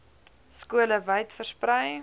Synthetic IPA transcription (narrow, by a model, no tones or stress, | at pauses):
skuələvəjtfərsprəj